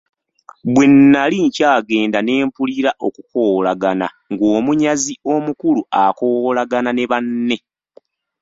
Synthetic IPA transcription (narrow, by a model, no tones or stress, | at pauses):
βwe̞nːaliɲcaːɡe̞ːndane̞ːmpuliɾaʔo̞kuko̞ːlaɡana̰ | ŋɡoːmuɲazio̞mukuluakoːlaɡanane̞βanːe̞